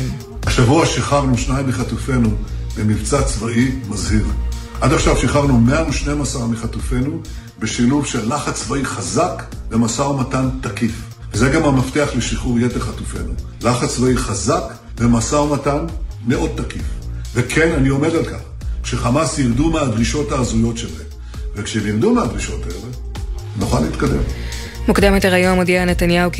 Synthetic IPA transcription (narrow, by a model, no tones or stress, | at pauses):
haʃavuaʃiχaʁnuʃnajimːiχatufe̞nubemivt͡sat͡svaʔimazhiʁ | ʔadaχʃavʃiχaʁnumeamuʃnemasaʁamiχatufe̞nu | be̞ʃiluvʃelːaχat͡svaiχazakvemasaomatant̪akif | vezeɡamamafteaχleʃiχuʁjeteʁχatufe̞nu | laχat͡svaiχazak | vemasaumatanːeʔodt̪ːakifvekʰenanio̞medalkaχ | kʃeχamasjiʁd̪umead̪ʁiʃo̞taːzujo̞tʃele | vekʃemiʁd̪umead̪ʁiʃo̞taele | nuχalːiiːt̪kade̞̰m | mukd̪amet̪aʁajonamodianet̪anjau